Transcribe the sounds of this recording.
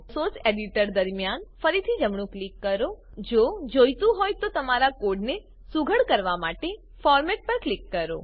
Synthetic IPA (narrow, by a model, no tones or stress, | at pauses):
soɾseɖiʈəɾd̪əɾmjanfəɾit̪ʰid͡ʒəmɳ̃ũklikːəɾo | d͡ʒod͡ʒojt̪ũɦɔjt̪ot̪əmaɾakoɖne | suɡʱəɽkəɾʋamaʈe | fɔɾmɛʈ̚pəɾklikːəɾo̰